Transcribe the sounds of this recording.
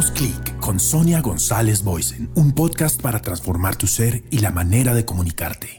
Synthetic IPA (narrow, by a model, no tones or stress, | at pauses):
sklikːo̞nso̞njaɣo̞nsale̞zbojsenumpo̞ðkast̪paɾat̪ɾansfo̞ɾmaɾt̪use̞ɾilamane̞ɾað̞e̞ko̞mũnika̰ɾt̪e